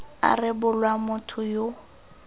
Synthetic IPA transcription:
a̰rɪbʊlwamʊtʰʊjo

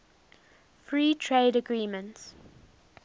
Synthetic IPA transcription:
fɹiːtʰɹeɪdəɡɹiːmə̃nts

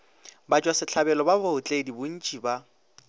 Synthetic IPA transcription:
bat͡ʃʼwasɪt͡ɬʰabɛlɔbaboʊt͡ɬʼedibʊn̩t͡ʃʼiba

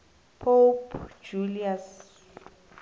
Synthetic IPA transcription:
pʰopd͡ʒulias

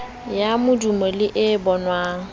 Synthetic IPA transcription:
jamʊdumɔlɪʔɪbɔnwaːŋ̩

